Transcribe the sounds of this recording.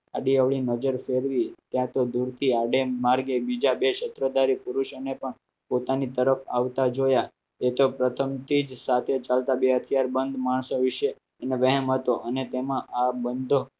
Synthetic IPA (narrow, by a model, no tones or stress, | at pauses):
aɖiəʋɭinəd͡ʒəɾfeɾʋit̪jãt̪od̪uɾt̪ʰiaɖemaɾɡebid͡ʒabeʃət̪ɾəd̪aɾipuɾuʃonepəɳ | pot̪anit̪əɾəfa̰ʋt̪ad͡ʒoja | et̪opɾət̪ʰəmt̪ʰid͡ʒsat̪ʰet͡ʃalt̪abeɦət̪ʰijaɾbənd̪ʱmaɳsõʋɪʃe | neʋəɦɛmɦət̪oʔənet̪emãʔabənd̪ʱo